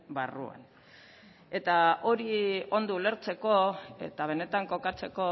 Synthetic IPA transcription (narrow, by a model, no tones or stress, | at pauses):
barṵa̰n | e̞t̪ao̞ɾio̞nd̪uːle̞ɾt͡se̞ko̞ḛt̪aβ̞e̞ne̞t̪aŋko̞kat͡se̞ko̞